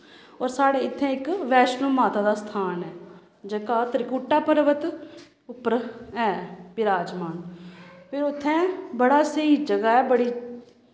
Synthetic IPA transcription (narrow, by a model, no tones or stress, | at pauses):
ɔːɾsaːɽeːɪt̪ʰːɛ̃ːɪkʋɛːʃnəːmaːt̪aːd̪aːst̪ʰaːnɛː | d͡ʒəkaːt̪əɾɪkuːʈːaːpəɾʋət̪ | ʊpːəɾɛːbɪɾaːd͡ʒmaːnpʰɪɾʊt̪ʰːɛ̃ːbəɽaːsəiːd͡ʒəɡaːɛːbəɽiː